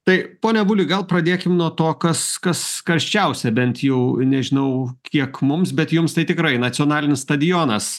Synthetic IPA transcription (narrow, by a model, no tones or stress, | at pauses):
t̪ɐɪpoːnʲɛbʊːlʲʊɡɐlˠpɾɐd̪ʲeːkʲɪmnuɔt̪oːkɐskɐsskɐɾʲʃʲt͡ʃʲɛʊsʲɛbʲɛnt̪jɛʊnʲɛʒʲɪnɐʊkʲiɛkmʊmsbʲɛt̪jʊmst̪ɐɪt̪ʲɪkɾɐɪnɐt͡ssʲɪoːnɑːlʲɪnʲɪsst̪ɐd̪ʲɪjoːnɐs